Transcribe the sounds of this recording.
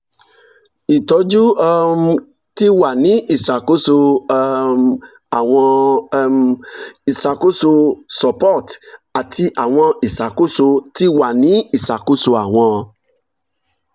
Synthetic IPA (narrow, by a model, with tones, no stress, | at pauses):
i˨tɔ˨˧˦d͡ʒu˦ɔ˧m˧ | ti˦wa˦˨nĩ˨˦ʔi˦˨sa˨ko˦so˧ | a˨w̃ɔ̃˧ | i˨sa˨ko˦so˧sɔ˨pɔ˦˨ta˨ti˧ʔa˨w̃ɔ̃˧i˨sa˨ko˦so˧ti˦wa˦˨nĩ˨˦i˦˨sa˨ko˦so˧a˨w̃ɔ̃˧